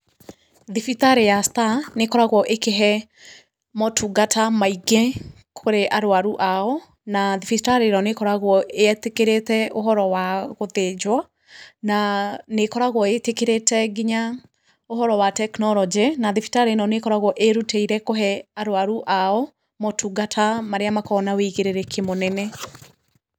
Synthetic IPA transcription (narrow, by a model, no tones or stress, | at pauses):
ðifitaɾejastanekɔɾaɣwɔʔekeɦɛ | mɔtʰuɡatamaiɡe | kʰoɾeʔaɾoaɾuʔaɔ | naðifistaɾeɾɔnekɔɾaɣwɔeɛtekeɾetɛoɦɔɾɔwaɣoðed͡ʒwa | nanekɔɾaɣwɔetekeɾetɛɡiɲa | oɦɔɾɔwatɛknɔlɔd͡ʒenaðifi̥taɾenɔnekɔɾaɣwɔʔeɾuteiɾɛkoɦɛaɾwaɾuʔaɔ | mɔtʰuɡatʰamaɾeamakɔnaweiɣeɾeɾekʰemonɛnɛ